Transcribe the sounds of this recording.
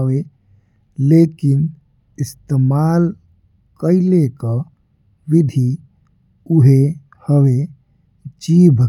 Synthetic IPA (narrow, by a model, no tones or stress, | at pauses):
we | leːkɪn | ɪst̪emaːl | kəɪleka | ʋɪd̪ʱi | uɦe | həʋe | t͡ʃiːbʱə